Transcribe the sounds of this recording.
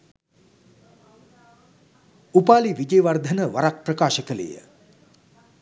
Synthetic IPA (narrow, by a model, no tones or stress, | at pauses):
upaːliʋid͡ʒeːʋard̪ʱənəʋaɾak̚prəkaːʃəkələ̰jə̰